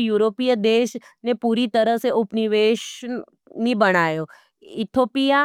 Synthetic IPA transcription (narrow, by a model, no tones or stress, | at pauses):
juːɾoːpijəd̪eːʃnepuːɾit̪əɾəɦseʔʊpniʋeːʃ | nĩbəɽ̃aːjoː | ɪt̪ʰoːpija